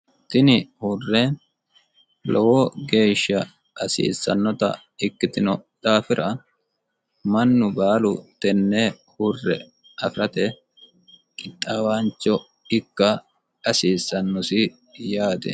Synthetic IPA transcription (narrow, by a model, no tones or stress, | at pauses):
t̪ɪnɪhurːɛ | lɔwɔɡe̞ːʃːɐ | ɐsḭːsːɐnːɔt̪ɐ̰ | ɪkːɪt̪ɪnɔd̪̥aːfɪɾʔɐ | mɐnːʊbaːlʊt̪ɛnːɛ | hurːɛ̰ | ɐfɪɾɐt̪ɛ | kʼɪt̪ʼːawaːnt͡ʃːɔ | ɪkːɐ | ɐsiːsːɐnːɔsɪ | jaːt̪ɛ̰